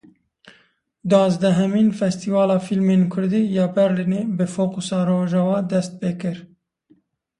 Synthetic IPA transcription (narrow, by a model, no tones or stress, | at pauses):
d̪ɑːzd̪ɛɦɛmiːnfɛst̪ʰivɑːlɑːfilmeːnkʰʊɾd̪iːjɑːbɛɾlineːbɨfoːqusɑːɾoːʒɑwɑːd̪ɛst̪̚peːkɨɾ